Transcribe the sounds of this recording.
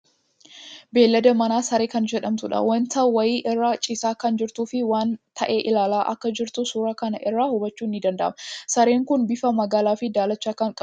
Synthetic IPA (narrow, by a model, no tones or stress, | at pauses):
beːlːɐd̪ɐmɐnaːsɐɾe̞ːkɐnd͡ʒɛᶑɐmt̪ʊᶑɐ̰wɐnt̪ʰɐwɐjiːʔɪrːaːt͡ʃʼɪsaːkɐnd͡ʒɪɾt̪uːfɪwaːnt̪ʰɐʔe̞ːʔɪlaːlaːʔɐ̰kːɐd͡ʒɪɾt̪ʊsuːɾɐkɐnɐʔɪrːaːhʊbɐt͡ʃːuːnːɪd̪ɐnd̪ɐʔɐmɐsɐɾe̞ːŋkʊnbɪfɐmɐɡaːlaːfɪd̪aːlɐt͡ʃːaːkːɐŋkʼɐ